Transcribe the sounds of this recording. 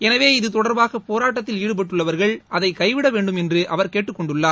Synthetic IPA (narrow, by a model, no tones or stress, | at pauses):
ɛnɐʋeːɪðɯt̪ɔɽɐɾbaːɣɐpːoːɾaːʈ̬ːɐt̪ːɪliːɽɯpɐʈːɯɭːɐʋɐɾɣɐɭʔɐðɐɪkɐɪʋɪɽɐʋeːɳɖɯmɛndrɯʔɐʋɐɾkeːʈːɯkːɔɳɖɯɭːaː